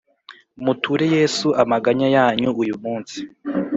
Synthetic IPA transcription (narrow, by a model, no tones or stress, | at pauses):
mutʰuɾe̞je̞ːsuʔamaɡaɲajaːɲuujumuːnsi̥